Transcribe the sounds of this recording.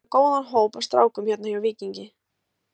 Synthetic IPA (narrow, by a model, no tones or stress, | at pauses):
koːwðanɦoːwpḁst̪ɾa̰ːwkʏmçɛt̪najawviːciɲcɪ